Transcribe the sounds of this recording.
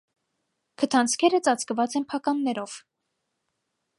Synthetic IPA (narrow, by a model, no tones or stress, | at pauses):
kʰət̪ʰɑnt͡sʰkʰɛɾət͡sɑt͡skəvɑt͡sɛnpʰɑkɑnːɛɾɔv̥